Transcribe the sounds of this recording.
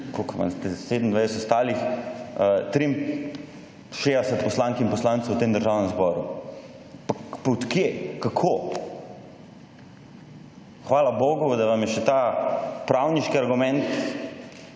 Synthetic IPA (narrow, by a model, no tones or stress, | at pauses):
kokʋa̰nst̪ɛseːd̪m̩d̪ʋajsɛt̪ɔst̪aːlix | t̪ɾim | ʃed̪ɛsɛt̪pɔslaŋkinpɔslantsəwt̪eːmd̪əɾʒaːwnɛmzbɔɾu | pakput̪kjekakʰo | xʋaːlaboːɡʊd̪aʋamjɛʃɛt̪apɾawniʃkiaɾɡumɛnt̪